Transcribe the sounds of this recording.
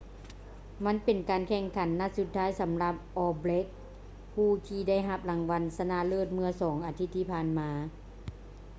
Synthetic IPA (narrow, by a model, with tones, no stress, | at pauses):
ma˧˥˨npe˨˩nkaː˨nkʰɛː˧˩ŋkʰa˨˩˦nːa˧˥su˧t̪ʰːaː˦˥jsa˩˦mla˧p̚ʔɔː˧ble˦˥k̚ | pʰuː˧˩t̪ʰiː˧da˥˩˨jɦa˧˩p̚la˨˩ŋʋa˧nsa˧na˧˥lɤː˥˩t̪̚mɯ˧ɐsɔː˩˦ŋʔaː˨˧t̪ʰi˧t̪ʰːiː˧˩pʰaː˧˥˨nmaː˧˦